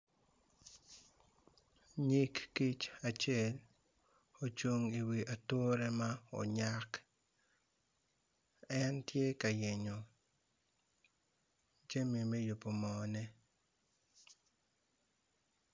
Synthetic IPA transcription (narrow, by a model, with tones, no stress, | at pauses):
ɲi˦kːi˦t͡ʃa˨t͡ʃjɛ˦l | o˨t͡ʃo˦ŋi˨wi˨ʔa˨two˦ɾɛ˦ma˦ɔ̰˨ɲa˦k | ɛ˦ntje˦ka˨je˨ɲo˨ | d͡ʒe˦mi˨me˦jo˨po˨mɔ˨nɛ˦